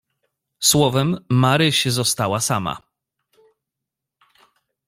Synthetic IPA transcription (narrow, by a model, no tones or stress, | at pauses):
swɔvɛmːaɾɘɕɛzɔst̪awasama̰